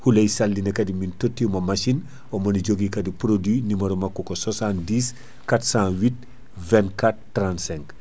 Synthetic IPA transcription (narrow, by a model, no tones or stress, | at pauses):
hulɛjsalːdinɛkɐdimintotːimɐmaʃin | ɔmɐniɟoɡikɐdipɾodwinimɐɾɔmakːɔkɔsasãndiːs | katsãwit̚ | vɛ̃nkat̚ːɾãntsɛ̃ŋk